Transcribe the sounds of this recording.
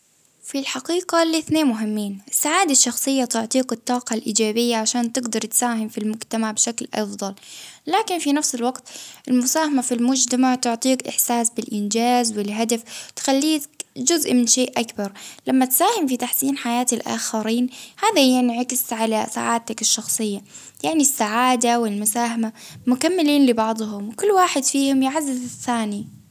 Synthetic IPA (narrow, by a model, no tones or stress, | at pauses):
filħɑqiːqaliθneːnmʊɦɪmːiːnɪsːaʕaːd̪aʃːɑxsˤɨjːat̪ʊʕt̪ˤiːkɨt̪ˤːɑːqɑlʔiːd͡ʒaːbɪjːaʕaʃaːnt̪ɪɡd̪ɑɾˤt̪saːɦɪmfilmʊd͡ʒt̪amaʕbɪʃaklʔɑ̰fðˤɑllaːkɪnfinafsɪlwɑqt̪ʔɪlmʊsaːhamafilmʊd͡ʒt̪amaʕt̪ʊʕt̪ˤiːkʔɪ̰ħsaːsbɪlʔɪnd͡ʒaːzwɪlɦad̪aft̪xalːiːkd͡ʒʊzʔmɪnʃeːʔʔakbɑɾˤlamːat̪saːhɪmfit̪aħsiːnħajaːt̪ɪlʔa̰ːxaɾiːnhaːðahjanʕakɪsʕalasa̰ːʕaːd̚t̪akɪʃːɑxsˤɨjːa | jaʕnisːaʕaːd̪awɪlmʊsaːɦamamʊkamːɪliːnlɪbɑʕd̪ˤɦʊmwkʊlːwaːħɪd̪fiːhʊmjɪʕazːɪzɪθːaːni